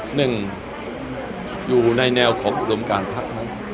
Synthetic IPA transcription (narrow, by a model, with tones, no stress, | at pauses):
nɯ˨˩ŋ | juː˨˩na˧jnɛː˧wkʰɔː˩˦ŋʔuː˧˩do˧mkaː˧npʰa˦˥k̚ma˦˥j